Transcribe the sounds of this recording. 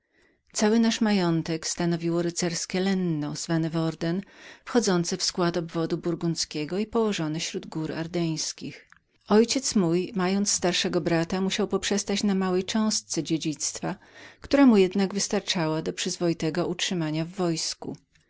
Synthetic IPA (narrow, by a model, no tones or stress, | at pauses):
t̪sawɘnaʂmajɔnt̪ɛkst̪anɔvʲiwɔɾɘt̪sɛɾskʲɛlɛnːɔz̥vanɘvɔɾd̪ɛnfxɔd̪zɔnt̪sɘfskwat̪ɔbvɔd̪ubuɾɡunskʲɛɡɔipɔwɔʐɔnɘɕɾud̪ɡuɾa̰ɾd̪ɛj̃skʲix | ɔjt͡ɕɛt̪smujmajɔnt̪sst̪aɾʂɛɡɔbɾat̪amuɕawpɔpʂɛst̪at͡ɕnamawɛjt͡ʂɛ̃w̃st̪sɛd͡ʑed͡ʑit̪st̪fakt̪uɾamujɛd̪naɡvɘst̪aɾt͡ʂawad̪ɔpʂɘzvɔjit̪ɛɡɔʔutʂɘmaɲavːɔjskṵ